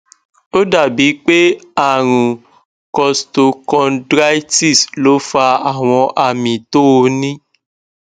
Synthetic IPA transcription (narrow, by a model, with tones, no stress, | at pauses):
o˦da˨bi˨˦k͡pe˦a˦˨ɾ̃ũ˨ | kɔ˧sto˧kɔ̃˧ndɾa˦i˦ti˦˨slo˨˦fa˧a˨w̃ɔ̃˧ʔa˧mĩ˨to˦o˧nĩ˦